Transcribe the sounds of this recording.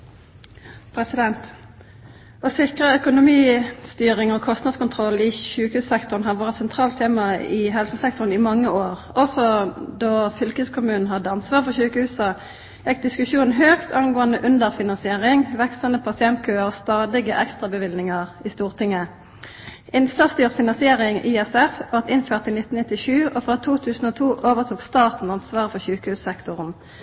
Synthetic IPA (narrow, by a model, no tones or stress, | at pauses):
pʰɾɛsɪd̪ɛnt̪ | ɔsɪkʁəœkʊnʊmiːst̪yːʁɪŋɔkʰɔst̪nɑd̪skʊnt̪ʰʁɔlːɪçʉːkəhʉːssɛkt̪ʊʁnɦɑʋoːʁət̪sɛnt̪ʰʁɑːlt̪ʰeːmɑɪɦɛlsəsɛkt̪ɔʁn̩ɪmɑŋːəoːʁ | ɔsɔd̪ɔfʏlkʉːskʰʊmʉːnn̩ɦɑd̪ːəɑnsʋɑːʁfɔçʉːkəhʉːsɑ | jɛk̚d̪ɪskʉʃuːnn̩ɦøːkt̪ʰɑnɡoːənd̪əʔʉnd̪əʁfɪnɑnsɪeːʁɪŋʋɛkst̪ənəpʰɑsɪɛnt̪̚kʰøːəʁst̪ɑːd̪ɪɡəʔɛkst̪ʁɑbəʋɪlnɪŋɑʁiːst̪uːʁt̪ʰɪŋːə | ɪnsɑst̪yːʁfɪnɑnsɪeːʁɪŋiːɛsɛfʋɑʁt̪ɪnføːʁt̪ɪnɪt̪ːn̩ɪt̪ːɪʃʉːoːfʁɑːt̪ʰuːt̪ʰʉːsn̩oːt̪ʰuːʔoːʋəʁt̪ʰuːkst̪ɑːt̪n̩ɑnsʋɑːʁəfɔʁçʉːkəhʉːssɛkt̪ʊʁn